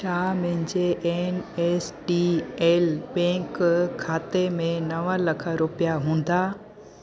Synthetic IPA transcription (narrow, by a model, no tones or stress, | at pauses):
ʃaːmɐ̃ɦɪ̃ɲd͡ʑeʔeːneːsɖiːeːlbɛ̃ːŋkkʰːaːt̪emẽnɐʋəlɐkʰə̆ɾʊpɪjaɦũːn̆d̪aː